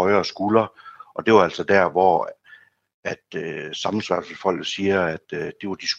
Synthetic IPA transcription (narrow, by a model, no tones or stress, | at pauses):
ɒɪɐːsɡ̥ulɐʔɒ̽d̥e̝ʋɑæl̰sɒ̽d̥æɐ̰ʋɒ̰ | æd̥øsɑ̈mn̩sʋɑ̥̈ːsefɒ̽l̰ɡ̥ð̩ˠsiːɐæd̥ːe̝ʋɑd̥is